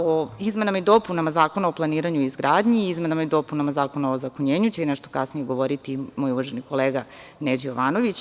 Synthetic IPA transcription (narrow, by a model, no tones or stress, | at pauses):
oizmenamaid̪o̞punamazaːko̞naoplˠaniːɾaɲuizɡɾaːd̪ɲiizmenamaid̪o̞punamazaːko̞naozakoɲeːɲut͡ɕeinɛʃt̪okasnijeɡo̞ʋoɾit̪imoːjuʋaʒeniko̞leːɡaned͡ʑijoʋaːno̞ʋit͡ɕ